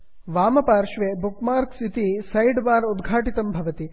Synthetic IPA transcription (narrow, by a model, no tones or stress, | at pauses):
ʋaːmɐpaːɾʃʋebukmaːɾksit̪isɐjɖbaːɾud̪ɡʱaːʈit̪ɐmbʱɐʋɐt̪i